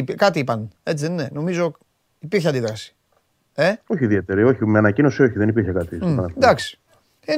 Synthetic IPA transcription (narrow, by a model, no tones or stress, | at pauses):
ipkɐt̪iipɐne̞t͡siðenneno̞mizo̞ | ipiɾçɐnd̪iðɾɐsi̥ | e̞o̞çiðie̞t̪eɾio̞çimeɐnɐcino̞sio̞çiðenipiɾçekɐt̪isɐnɐd̪ɐksi̥ | i